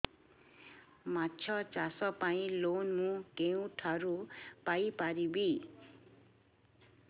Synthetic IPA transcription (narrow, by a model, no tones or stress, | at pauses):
mat͡sʰʌt͡sasʌpaĩlonmũkeũʈʰaɾupajpaɾibi